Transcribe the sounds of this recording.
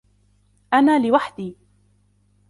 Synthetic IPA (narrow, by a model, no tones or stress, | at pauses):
ʔanaːlɪwaħd̪iː